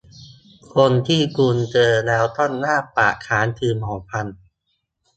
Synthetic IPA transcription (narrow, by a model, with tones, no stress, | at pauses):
kʰo˧nt̪ʰiː˥˩kuː˧nt͡ɕɤː˧lɛː˦˥wt̪ɔ˥˩nːaː˥˩pa̰ː˨˩kʰaː˩˦nt̪ʰɯː˧mhɔː˩˦ŋpʰa˧n